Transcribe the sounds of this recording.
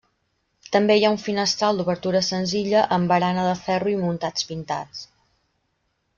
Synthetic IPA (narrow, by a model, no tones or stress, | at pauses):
t̪əmbejauɱfinəst̪ɾalˠd̪uβəɾt̪uɾəsənziʎəʔəmbəɾanəðəfɛruimunt̪at͡spint̪a̰t͡s